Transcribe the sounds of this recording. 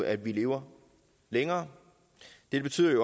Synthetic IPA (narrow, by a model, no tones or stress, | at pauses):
æd̥ʋile̝ːʊɐ | leŋɐː | d̥e̝dbe̝t͡sʰy̰ð̰ˠɐjo